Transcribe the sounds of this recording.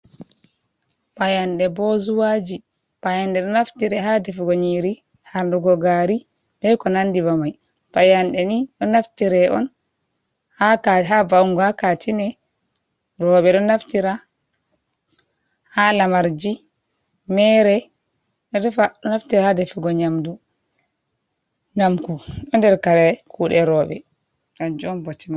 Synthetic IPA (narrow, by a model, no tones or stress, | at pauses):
pajanɗɛbɔzuwad͡ʒi | pajandɛɗɔnaftiɾɛɦadɛfɡoɲiɾi | haɾnduɡɔɡaɾi | bɛkɔnandibamaj | pajanɗɛniɗɔnaftiɾɛʔɔ̰n | hakaɦavawŋɡɔhakatʰinɛ | ɾɔɓɛɗɔnaftiɾa | halamaɾd͡ʒi | mɛɾɛ | dɛfaɗɔnaftiɾahadɛfiɡɔɲamdu | namkuɗɔndɛɾkaɾɛkʰuɗɛɾɔɓɛ̰ | ɗad͡ʒɔɔnbotima